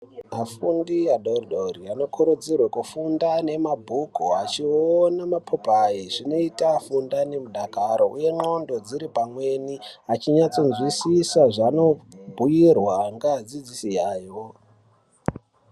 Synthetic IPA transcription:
mafundijaɗorɗoriano̞kuɾud͡zirwakufundane̞mabʱukuat͡ʃionamapʰopaiʐino̞itafundane̞muɗakaɾo̞ʔuje̞no̞ndo̞d͡ziɾipamwe̞niat͡ʃiɲat͡so̞nzwisisaʐano̞bʱujirwaŋɡad͡zid͡zisijaːjo

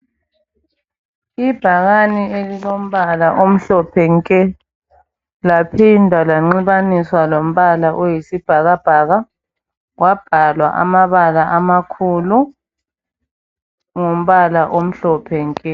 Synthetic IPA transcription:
ib̥ʱaɣanielilom̩βalaʔom̩ɬɔpʰɛŋkʼɛ | lapʰindʱalaŋ͡ǀiβaniswalom̩βalaʔɔjisib̥ʱaɣab̥ʱaɣa | wab̥ʱalwa̰ʔa̰maβalaʔamakʰulu | ŋom̩βalaʔom̩ɬɔpʰɛŋkʼɛ

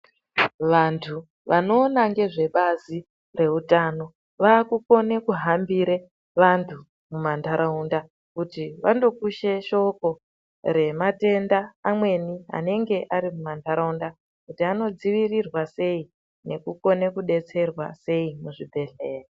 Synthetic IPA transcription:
ʋantʰu | ʋʔano̞ːnaŋɡe̞ʐe̞ɓazi | re̞utaːno̞ | ʋaːkuko̞ne̞kuɦambiɾe | ʋantʰu | mumantʰaɾaunda | kutiʋando̞kuʃe̞ʃo̞ko̞ | ɾe̞mate̞ndaːmwe̞niɦa̰ne̞ŋɡe̞ʔaɾimumantaɾaunda | kutiano̞d͡ziʋirirwase̞i | ne̞kuko̞ne̞kuɗe̞t͡se̞rwa̰se̞imuʐibʱe̞ɮeːri

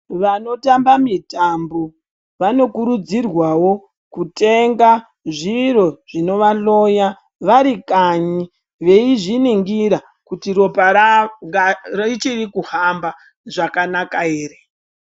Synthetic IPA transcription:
ʋano̞tambamitambo | ʋano̞kuɾud͡zirwawo̞ | kute̞ŋɡa | ʐiɾo̞ʐ̥ino̞ʋalo̞ja | ʋaɾikaɲi | ʋe̞iʐiniŋɡiɾa | kutiɾo̞paaŋɡarit͡ʃirikuhamba | ʐakanakae̞ːɾe

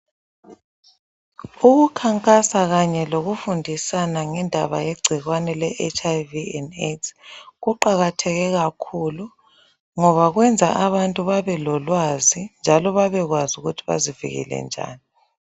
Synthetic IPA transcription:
uɣukʰaŋkʼasaɣaɲɛloɣufundʱisanaŋɛndʱa̰βa̰jeɡ͡ǀʱiɣwanɛlɛʔet͡ʃʰʼajviɛnesɣuǃaɣatʰɛɣɛɣakʰulu | ŋɔβaɣwɛnd͡zʱa̰ʔaβantʼuβaβɛlɔlwazind͡ʒʱalɔβaβɛɣwazuɣutʰiβa̰zivḭɣḭlɛ̰nd͡ʒʱa̰ːni

